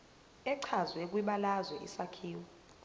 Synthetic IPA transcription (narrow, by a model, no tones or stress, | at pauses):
ɛǀʰazwek̬ʼwiɓalazwɛʔḭsakʰiːwɔ